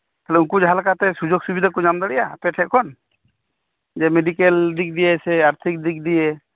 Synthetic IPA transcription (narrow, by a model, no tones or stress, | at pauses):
t̪ʰalɛunkud͡ʒɦalkat̪ɛsud͡ʒoɡsubid̪akud͡ʒamd̪aɽɛjapɛʈʰɛt̪ʔ̚kʰɔn | d͡ʒɛmɛɖikɛld̪ik̚d̪ijɛsɛaɾt̪ʰik̚d̪ik̚d̪ijɛ